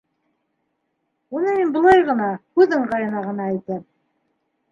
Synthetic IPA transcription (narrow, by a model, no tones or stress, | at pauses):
unɤminbɤ̆lˠɑjʁɤ̆nɑhʉðɘɴʁɑjɤ̆nɑʁɤ̆nɑæjt̪ɘm